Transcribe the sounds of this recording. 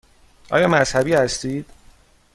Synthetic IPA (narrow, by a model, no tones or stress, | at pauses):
ʔɒ̰ːjɒːmæz̥hæbiːhæst̪iːd̪̥